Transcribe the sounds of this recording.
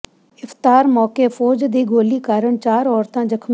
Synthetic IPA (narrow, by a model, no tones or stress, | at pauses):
ɪft̪aːɾmɔːkeːfʰɔːd͡ʒd̪iːɡoːliːkaːɾəɳt͡ʃaːɾɔːɾt̪ãːd͡ʒəkʰm